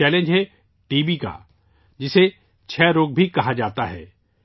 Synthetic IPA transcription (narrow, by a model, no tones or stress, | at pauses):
ɛːlẽnd͡ʒɦɛ | ʈiːbika̰ː | d͡ʒɪse | t͡ʃʰɛːɾoːɡ̚bʱikɐɦad͡ʒaːt̪aɦɛ̰ː